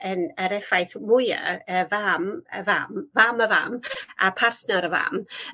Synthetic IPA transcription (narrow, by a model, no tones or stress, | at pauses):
ənəɾɛfajθmʊja̰əvaməvamvaməva̰ma̰pʰarθnɔɾəva̰m